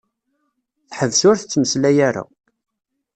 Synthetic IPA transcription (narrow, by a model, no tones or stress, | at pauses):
θħəvsʊɾθət͡sːməslæjaɾa̰